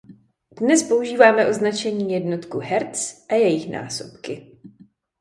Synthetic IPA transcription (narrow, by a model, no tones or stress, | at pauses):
d̥nɛspo̞uʒiːvaːmɛʔo̞znat͡ʃɛɲiːjɛdno̞t̪kuɦɛɾt͡sʔajɛjɪxnʔa̰ːsopkɪ